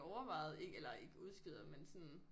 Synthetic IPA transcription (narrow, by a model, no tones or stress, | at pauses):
ɒʊɐʋɑ̈ɪð̩ˠe̝ɡ̥elɐe̝ɡ̥əuð̞ˠsɡ̥ið̰ˠɐmensɔn